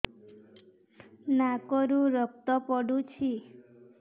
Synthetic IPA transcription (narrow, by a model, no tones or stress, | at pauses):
nakɔɾũɾək̚t̪ɔpɔɽũt͡ʃʰi